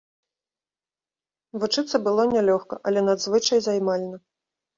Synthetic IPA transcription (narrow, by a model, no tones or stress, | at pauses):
vut͡ʂɨt̪sːɐbɨlˠɔnʲɛlʲɔxkɐʔɐlʲɛnad̪zvɨt͡ʂɐjzajmalʲnɐ